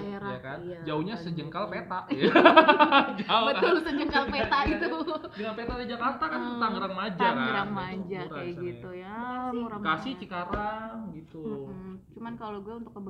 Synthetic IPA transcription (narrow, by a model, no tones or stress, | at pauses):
ɾajakand͡ʒauɲasəd͡ʒəŋkalpet̪aʔj | d͡ʒaubət̪ʊlsəd͡ʒəŋkalpet̪ait̪udəŋanpet̪aʔdid͡ʒakart̪akanət̪aŋəɾaŋmad͡ʒaɡɾaŋmad͡ʒaɾasɡit̪ujaakasɪht͡ʃikaɾaŋɡit̪ut͡ʃumankaloɡuɛunt̪ʊkːəb